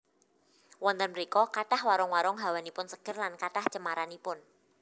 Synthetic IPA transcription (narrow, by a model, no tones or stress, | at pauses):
wɔnt̪ənməɾikɔkaɖ̥ahwaɾɔŋwaɾɔŋɦawanipʊnsə̥ɡ̥ərlankaɖ̥aht͡ʃəmaɾanipʊn